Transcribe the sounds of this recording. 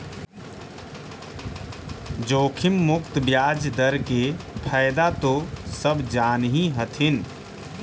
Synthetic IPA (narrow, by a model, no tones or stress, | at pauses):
d͡ʒoːkʰɪmːʊkt̪bjaːd͡ʒd̪əɾkepʰəjd̪at̪osəbd͡ʒaːnɦĩɦət̪ʰɪn